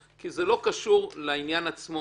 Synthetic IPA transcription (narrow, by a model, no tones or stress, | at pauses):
kizelo̞kaʃuʁleinjanat͡smo